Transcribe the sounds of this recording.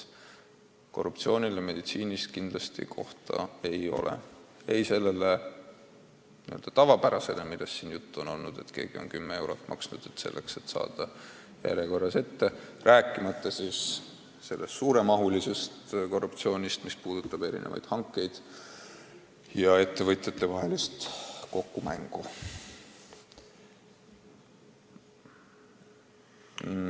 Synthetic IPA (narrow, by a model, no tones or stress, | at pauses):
ko̞rːupt̪sio̞ːnʲileme̞d̪̥it̪siːnʲist̪kind̪lɑst̪ḭkʰo̞ht̪ɑ̰e̞jo̞̰lʔḛe̞jse̞lːele | niøld̪ɑ̥t̪ɑvɑpæɾɑse̞lemilːesːiːnjut̪ːuo̞no̞̰lnud̪̥e̞t̪ke̞ːɡ̥io̞̰nkymːee̞wɾot̪ːˑmʔɑ̰ksnud̪̥et̪se̞̰lːʔe̞kse̞t̪ːsɑ̰ːd̪̥ɑ | jæ̰ɾeko̞rːɑse̞t̪ːe̞rʔæːkːˑimɑt̪ːɑsiːs | se̞lːest̪suːɾe̞mɑɦulise̞st̪ko̞rːupt̪sio̞ːnʲist̪mispuːd̪̥ut̪ːˑɑb̥e̞ɾḭnḛvɑ̰jd̪̥hɑŋkːˑe̞jd̪̥ | jɑe̞t̪ːe̞vɤt̪ˑjɑt̪ːˑe̞vɑɦe̞list̪ko̞kːumæŋɡ̥u